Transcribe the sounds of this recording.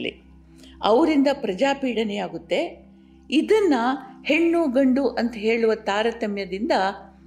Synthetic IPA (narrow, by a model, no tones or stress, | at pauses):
lḭ | ɐʋɾind̪ɐpɾɐd͡ʒaːpiːɽɐnɛjaːɡut̪ːe̞ | id̪ɐnːɐhe̞ɳːuɡɐɳɖuʔɐnt̪ɐɦeːɭuʋɐt̪aːɾɐt̪ɐmjɐd̪ind̪ɐ